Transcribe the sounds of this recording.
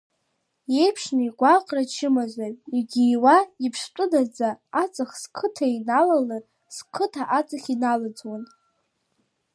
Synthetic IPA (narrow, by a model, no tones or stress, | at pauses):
je̞jpʰʂnaiɡʷaqʼrat͡ʃʰɪmazʷariɡʲiwaipʰʂt͡pʷʼʊdad͡zaːt͡sʼaχskʰɨtʰainalalar | skʰɨtʰaʔat͡sʼaχʲinalad͡zwan